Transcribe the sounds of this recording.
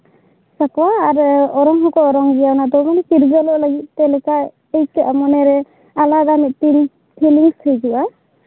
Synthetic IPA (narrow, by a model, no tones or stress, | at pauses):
sakwaːɾɔɾɔŋɦɔkɔɔɾɔŋɡijawnad̪ɔwmanɛkiɾɡalɔʔlaɡit̪̚ːɛlɛka | ejkɛʔamɔnɛɾɛ | alad̪anit̚t̪in | pʰiliŋsʰɯjd͡ʒuwa